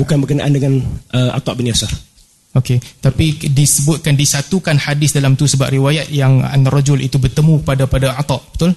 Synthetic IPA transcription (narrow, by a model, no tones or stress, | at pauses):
bukanbərkənaʔandəŋanəʔa̰t̪ˤɑʔbiniasar | oket̪apidisəbʊt̪̚kandisat̪ukanhadɪsdalamt̪usəba̰ʔriwajat̪̚jaŋa̰nrad͡ʒʊlḭt̪ubərt̪əmũkəpadapadaat̪ɑʔbət̪ʊl